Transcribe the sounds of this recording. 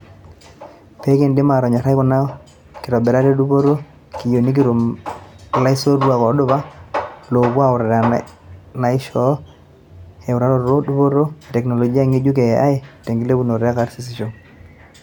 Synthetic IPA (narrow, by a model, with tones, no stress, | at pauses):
pe˦ke˦˨ndɪ˦ma˨ɾɔ˨ɲa˨ɾa˦jkɔ˨na˦ | kɪ˨ɾɔ˨bɛ˨ɾa˦ɾe˦du˦bo˦ɾo˦ | ki˨jo˨ni˦k̬i˦ɾo˨m | la˦ɪ˦so˦rwa˨kɔ˨˦dʊ˦ba˦lo˨kwa˦ʊ˨ɾa˨ɾa˨ | na˨ɪ˦ʃɔ˦ | e˨ʊ˨ɾa˨˦ɾɔ˨ɾo˦du˦bo˦ɾo˦e˨tɛ˨kno˨lɔ˨d͡ʒi˦a˦ŋi˦d͡ʒu˦k̬ɛ˨ʔa˦ɪ˦te˨ŋɡi˦le˦bu˦no˨ɾe˦a˦ka˨˦ɾsi˦sɪ˨ʃɔ˦ŋ